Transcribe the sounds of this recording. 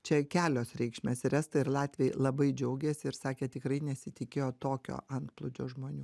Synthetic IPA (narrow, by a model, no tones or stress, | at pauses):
t͡ʃʲɛkʲæːlʲoːsɾʲɛɪkʃʲmʲɛːsʲɾʲæst̪ɐɪɾlˠɑːt̪ʲʋʲeɪlˠɐbɐɪd͡ʒʲɛʊɡʲɛsʲɪɪɾsɑːkʲeːt̪ʲɪkɾɐɪnʲɛsʲɪt̪ʲɪkʲeːjoːt̪oːkʲo̰ːʔɐnt̪plˠʊd͡ʒʲo̰ːʒmoːnʲuː